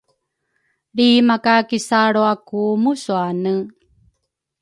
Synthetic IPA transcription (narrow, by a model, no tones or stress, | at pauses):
ɭimakakisaɾoakumusuanə